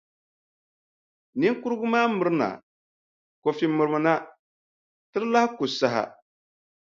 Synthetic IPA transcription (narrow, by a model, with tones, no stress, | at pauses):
ni˦ŋku˦ɾɡʊ˦maː˦mʊ˨ɾɨ˦na̰˨ | ko˨fi˨mʊ˨ɾɨ˨mɨ˨na˦ | tɨ˦ɾla˦hɪ˦kʊ˨sa˨ɦa̰˨